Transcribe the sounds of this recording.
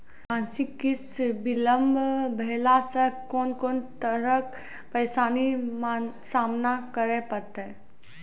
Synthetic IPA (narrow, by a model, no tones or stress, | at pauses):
ãːnsikːɪsbɪləmbʱbʱɛlasəkɔːnkɔːnt̪əɾək | pəɪsaːniman | saːmnakəɾepəɾt̪ɛ